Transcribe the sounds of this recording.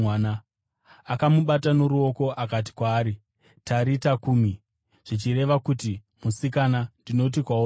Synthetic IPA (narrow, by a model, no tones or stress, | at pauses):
ana | akamuɓatano̞ɾuo̞ko̞ʔakat̬i̥kwaːɾi | taɾitakuːmi | ʐ̥it͡ʃiɾe̞ʋakuti | musikanandino̞t̬ikwao